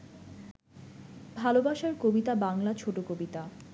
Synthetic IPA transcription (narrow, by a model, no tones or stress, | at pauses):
bʱalobaʃaɾkobit̪abaŋlat͡ɕʰoʈokobit̪a